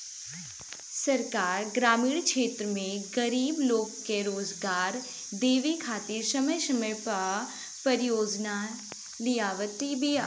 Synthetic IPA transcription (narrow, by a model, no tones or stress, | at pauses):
sɐɾkaːɾɡɾaːmiːɽkʃeːt̪ɾəmẽɡɐɾiːbloːɡːeɾoːzɡaːɾ | d̪eːʋikʰaːt̪iɾsɐməjsɐməjpa | pɐɾɪjoːd͡ʒna | lijaːʋət̪ibʱi